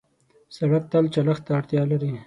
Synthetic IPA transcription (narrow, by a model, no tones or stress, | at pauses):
saɽak̚t̪alt͡ʃalaxt̪aːɽt̪jɑlaɾi